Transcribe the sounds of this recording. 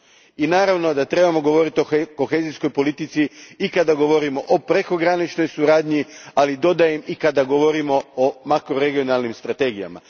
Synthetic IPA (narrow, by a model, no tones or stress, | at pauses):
inaːɾaʋno̞d̪at̪ɾe̞bamo̞ɡo̞ʋo̞ɾit̪ioko̞xezisko̞jpo̞lit̪it̪siikad̪aɡo̞ʋo̞ɾimo̞ʔopɾe̞ko̞ɡɾanit͡ʃno̞jsuɾaːd̪ɲialid̪o̞d̪ajemikad̪aɡo̞ʋo̞ɾimo̞omakɾo̞ɾe̞ɡionalˠnimst̪ɾat̪e̞ːɡija̰ma̰